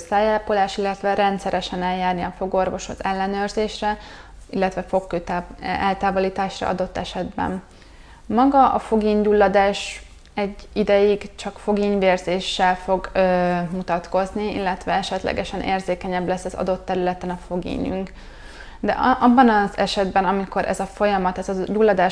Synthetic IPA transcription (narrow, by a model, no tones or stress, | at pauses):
saːjalpolaːʃilːɛt̪ʋɛɾɛnt̪sɛɾɛʃɛnɛljaːrniɒfo̞ɡo̞rvo̞ʃo̞̰t̪ɛlːɛnøːrzeːʃrɛ | ilːɛt̪ʋɛfo̞kːøːt̪ːʔɛlt̪aːvo̞liːt̪aːʃrɒ̰ɒ̰d̪o̞t̪ːɛʃɛd̪bɛ̰m | mɒɡɒʔɒfo̞ɡiːɲd̪ulːɒd̪aːʃ | ɛɟːid̪ɛjiɡt͡ʃɒkfo̞ɡiːɲveːrzeːʃːɛlfo̞ɡmut̪ɒt̪ko̞zniḭlːɛt̪ʋɛɛʃɛt̪lɛ̰ɡɛʃɛnʔḛːrzeːkɛɲɛblɛsːɒzɒ̰d̪o̞t̪ːɛɾylɛt̪ɛnɒfo̞ɡḭːɲy̰ŋk | d̪ɛ̰ʔʔɒbːɒnɒzɛʃɛd̪bɛnɒmiko̞ɾʔɛ̰zɒfo̞jɒmɒt̪ɛzɒɟulːɒd̪aː